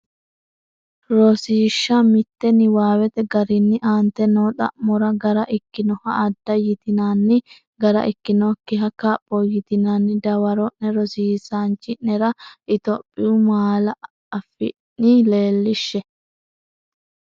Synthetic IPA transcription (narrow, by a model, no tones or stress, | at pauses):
ɾɔsiːʃːɐmɪt̪ːɛnɪwaːwɛt̪ɛɡɐɾɪnːɪʔaːnt̪ɛnɔːt̪ʼɐ̰ʔmɔɾɐɡɐɾɐʔɪkːɪnɔhɐʔɐd̪ːɐjɪt̪ɪnanːɪ | ɡɐɾɐ̰ʔɪkːɪnɔkːɪɦɐkɐpʼːɔjɪt̪ɪnanːɪd̪ɐwɐɾɔʔnɛɾɔsiːsaːnt͡ʃʼɪʔɛɾɐʔɪt̪ɔpʼːɪʊmaːlɐ | ɐfɪ̰nːɪle̞ːlːɪʃːɛ